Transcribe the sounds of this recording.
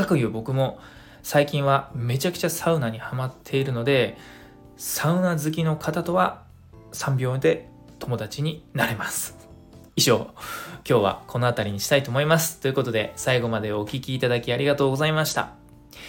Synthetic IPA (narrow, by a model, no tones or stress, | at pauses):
akɯ̟jɯ̟ːbo̞kɯ̟mo̞ | saikʲĩɰ̃βame̞t͡ɕakɯ̟̥t͡ɕasaɯ̟naɲ̟ihamat̪ʰːe̞iɾɯ̟no̞d̪e̞ | saɯ̟nazɨk̬ʲino̞kʰat̪at̪o̞βa | sãmbʲo̞ːd̪e̞ | t̪o̞mo̞d̪at͡ɕiɲ̟inaɾe̞masɨ̥ | iʑo̞ːkʲo̞ːβa̰kʰo̞no̞at̪aɾʲiɲ̟iɕi̥t̪ait̪oːmo̞imasɨ̥t̪ːo̞iɯ̟ko̞t̪o̞d̪e̞saiɡo̞mad̪e̞o̞kʲikʲiːt̪ad̪akʲiaɾʲiɡat̪o̞ːɡo̞zaimaɕi̥t̪a̰